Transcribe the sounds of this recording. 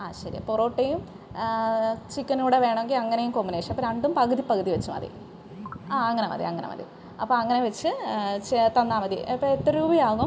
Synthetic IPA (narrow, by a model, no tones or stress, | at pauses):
aːɕɐɾḭporo̞ːʈːejum | t͡ɕikːɐnuːɽeʋe̞ːɳɐmeŋɡilɐŋːɐnejumkoːmːbineʂɐɐpːoɾɐɳɖumpɐɣɨðipːɐɣɐðiʋet͡ɕːumɐ̰ðḭ | aːɐŋːɐnemɐ̰ðḭɐ̰ŋːɐnʔḛmɐ̰ðḭ | ɐpːoːɐŋːɐneʋet͡ɕːɨt͡ɕt̪ɐnd̪aːmɐðḭɐpːɐet̪ːɐɾuːbijaːɣum